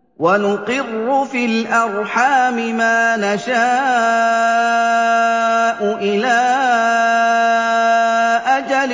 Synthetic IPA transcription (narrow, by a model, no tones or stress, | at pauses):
wanʊqɪrːʊfiːlʔɑɾˤħaːmɪmaːnaʃaː | ʔʊʔɪlaː | ʔad͡ʒal